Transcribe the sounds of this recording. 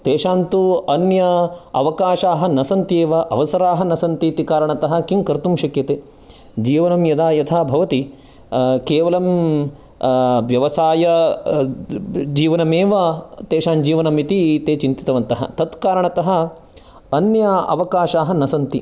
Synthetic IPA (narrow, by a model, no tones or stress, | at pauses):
t̪eːʃaːnt̪uɐnjɐɐʋɐkaːʃaːɦɐnɐsɐnt̪jeːʋɐʔɐ̰ʋɐsɐɾaːɦɐnɐsɐnt̪iːt̪ikaːɾɐɳɐt̪ɐɦɐkiŋkɐɾt̪umʃɐkjɐt̪eː | d͡ʒiːʋɐnɐmjɐd̪aːjɐt̪ʰaːbʱɐʋɐt̪i | keːʋɐlɐm | ʋjɐʋɐsaːjɐ | d͡ʒiːʋɐnɐmeːʋɐt̪eːʃaːnd͡ʒiːʋɐnɐmit̪it̪eːt͡ʃint̪i̥t̪ɐʋɐnt̪ɐɦɐ̰t̪ɐt̪kaːɾɐɳɐt̪ɐɦɐ | ɐnjɐɐ̰ʋɐkaːʃaːɦɐnɐsɐnt̪i